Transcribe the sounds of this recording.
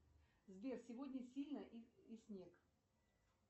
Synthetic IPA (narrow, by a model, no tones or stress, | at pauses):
zvʲersʲɪvod̪ʲnʲəsʲilʲnəisʲnʲek